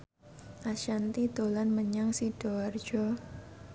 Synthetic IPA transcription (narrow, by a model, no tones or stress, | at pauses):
ʔaʃant̪id̪̥olanməɲaŋsid̥oard͡ʒɔ